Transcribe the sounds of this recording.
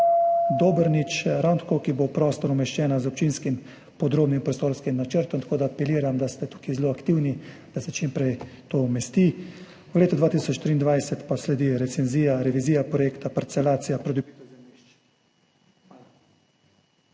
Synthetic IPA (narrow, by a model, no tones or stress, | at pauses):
d̪oːbəɾnit͡ʃɾawnt̪akokibopɾɔːst̪ɔɾumɛʃt͡ʃɛːnazɔp̚t͡ʃiːnskim | pɔd̪ɾoːbnimpɾɔst̪oːɾskimnat͡ʃəɾt̪ɔmt̪ḁkoːd̪aːpɛliːɾamd̪ast̪ɛt̪uːkizloːakt̪iwnid̪̥asɛt͡ʃimpɾɛjt̪omɛst̪iː | wleːt̪ɔd̪ʋaːt̪isɔt͡ʃːt̪ɾiːnd̪ʋajsɛt̪paslɛd̪iɾɛt̪sɛnziːjaɾɛʋiziːjapɾɔjeːkt̪apɛɾt̪sɛlaːt̪sijapɾod̪i